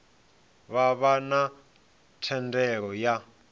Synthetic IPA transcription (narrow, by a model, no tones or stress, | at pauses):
βaβana | tʰɛndɛɺɔja